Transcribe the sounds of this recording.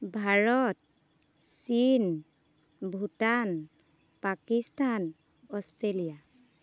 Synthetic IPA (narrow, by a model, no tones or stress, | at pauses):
bʱaɹɔt̚ | sin | bʱutan | pakistan | ɔstelija